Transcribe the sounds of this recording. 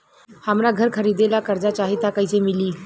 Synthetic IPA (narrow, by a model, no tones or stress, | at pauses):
hamɾaɡʱəɾkʰəɾid̪elakəɾd͡zat͡ɕaɦit̪akajt͡semiliː